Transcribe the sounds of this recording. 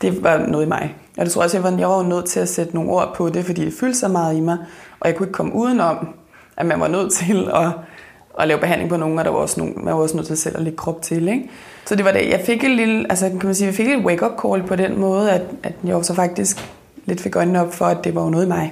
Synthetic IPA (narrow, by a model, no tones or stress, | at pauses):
d̥e̝ʋɑ̈nɔ̽ːðˠimɑ̈ɪ | ʔɒ̽de̝o̝ɐɔ̽sjɑʋɑ̈jɑ̈ɪʋɑ̈onøð̞̰ˠt͡sʰe̝læsed̥əno̝ːn̩o̝ɐ̰pʰɒ̽de̝fɒd̥ḭd̥e̝fyːld̥əsɑ̈ɪmɑ̈ːð̞̩ˠimɑ̈ɪʔɒ̽jɑɪkʰue̝ɡ̥əkʰɒ̽mʔuːð̞ˠn̩ɒ̽m̰ | ʔæmænʋɑ̈nøð̞̰ˠt͡sʰe̝lɒ̽ː | lɛːʊb̥e̝ɦænle̝ŋpʰɒ̽no̝ːŋn̩ɒɾ̥ɑ̈ʋɑ̈ɒ̽sno̰ːmænʋɑ̈ɒ̽snøð̰ˠt͡sʰe̝lsel̰æle̝ɡ̥əkʰʁɒ̽b̥̚t͡sʰe̝leɡ̥ | sɒd̥e̝ʋɑ̈dejʔɑ̈ɪfe̝ɡ̥enlilʔælsəkʰæmænsiːjaɪfe̝ɡ̥edweɡ̥ɒb̥̚kʰɒːl̚pʰɒ̽d̥en̰mɔ̽ːð̞̩ˠæd̥ʔæd̥jɑ̈ɪsɒ̽fɑ̈ɡ̥̚d̥isɡ̥ | le̝d̥fe̝ɡ̥ɒ̽ɪnnəɒ̽b̥fɒ̽æd̥ːe̝ʋɑ̈jonɔːð̞ˠimɑ̈ɪ